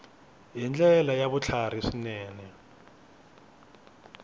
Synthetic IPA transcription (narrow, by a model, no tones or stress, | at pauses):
jind͡ɮʼɛlajaβut͡ɬʰar̤isinɛːnɛ